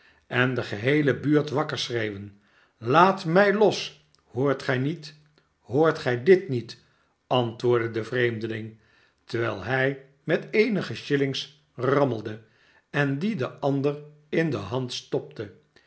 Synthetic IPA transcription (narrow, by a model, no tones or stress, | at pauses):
ɛndəχəɦejləbyːɹtʋɑkəɹsrejʋən | laːtmɛjlɔs | hʊːɹtχɛjnit | hoːɹtχɛjdɪtnit | ɑntʋʊːɹdədəvrejmdəlɪŋ | təɹʋɛjlˠɦɛj | mɛtejnəχəʃɪlɪŋs | rɑməlˠdə | ɛndidəʔɑndər | ɪndə̰ɦɑntstɔp̚tʰə